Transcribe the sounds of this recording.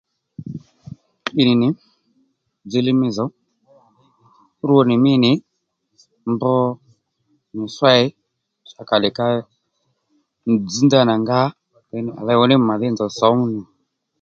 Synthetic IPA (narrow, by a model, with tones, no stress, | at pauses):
ɓi˨nɪ˨nɪ˨˦ | d͡ze˨˧lɪ˦mɪ˧zɔ˨˦ | ɾu˦ɔ˧nɪ˨mɪ˦˨nɪ˨˦ | mbɔ˦ | nɪ˨swa˦ɪ˦ | ʃa˨ka˨lɛ˨ka˧ | d͡zi˨˦nda˦na˨ŋɡa˦ | ɛ˨˧nɪ˨a̰˨la˧˦wɔ˦nɪ˦˨ma˨ðɪ˦nd͡zɔ˨sɔ˨˦ni˨